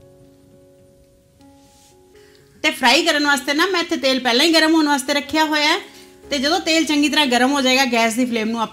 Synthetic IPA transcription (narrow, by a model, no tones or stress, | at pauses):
t̪eːpʰɾaːiːkəɾənʋaːst̪eːnaːmɛ̃ːɪt̪ʰːeːt̪eːlpɛːlãːĩːɡəɾəmɦoːənʋaːst̪eːɾəkʰːjaːɦoːjaɛ | t̪eːd͡ʒəd̪õːt̪eːlt͡ʃəŋɡiːt̪əɾãːɡəɾəmɦoːd͡ʒaːeːɡaːɡɛːs̬d̪iːpʰleːmnũːap